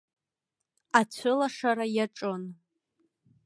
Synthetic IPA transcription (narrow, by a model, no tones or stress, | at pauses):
at͡ɕʷʰɨlaʂaɾajaʈ͡ʂʼon